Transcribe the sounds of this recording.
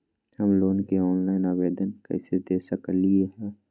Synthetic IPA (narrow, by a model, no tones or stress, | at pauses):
həmloːnkeɔːnlaːɪnaːʋeːd̪ənkɛ̰ːsed̪eːsəkəlieɦɛː